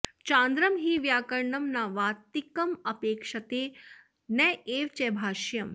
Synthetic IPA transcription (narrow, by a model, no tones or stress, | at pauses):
t͡ʃãːnd̪ɾəmɦiːʋjaːkəɾɳɐmnaʋaːt̪ikɐmɐpeːkʂɐt̪eː | nɛeːʋt͡ʃɛbʱaːʃjɐm